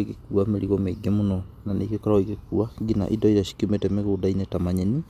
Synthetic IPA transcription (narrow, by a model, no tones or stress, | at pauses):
ikekuameɾiɣɔmeɡemonɔnanḛikekɔɾaikekuaɡina̰ʔidɔiɾaʃi̥kiometɛmeɣoːdainetamaɲɛni